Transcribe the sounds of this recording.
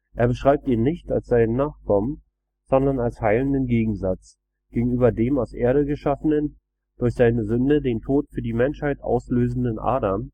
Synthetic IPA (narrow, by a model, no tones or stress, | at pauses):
ʔeːɐbəʃʁ̥aɪp̚tiːnnɪçta̰lsz̥aɪnənaːχkʰɔmən | z̥ɔndɐnalshaɪləndənɡeːɡŋ̩zat͡s | ɡ̥eːɡŋ̩yːbɐdeːmaʊsʔeːɐɾəɡəʃafənən | d̥ʊɐçz̥aɪnəzʏndədeːntʰoːtfyːɐdiːmɛnʃhaɪtʔa̰ʊsløːzn̩dənʔa̰ːdɐm